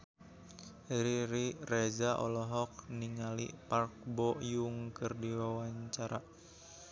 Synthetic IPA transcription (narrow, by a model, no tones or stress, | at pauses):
ɾiɾirɛzaʔɔ̰lɔɦɔk̚niŋalḭpark̚bɔjuŋkɨrdiwawaɲt͡ʃaɾa